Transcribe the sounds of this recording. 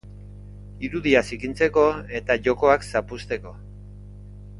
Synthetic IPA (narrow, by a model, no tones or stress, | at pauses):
iɾuðiasikint͡se̞ko̞e̞t̪aʝo̞ko̞aksapust̪e̞ko̞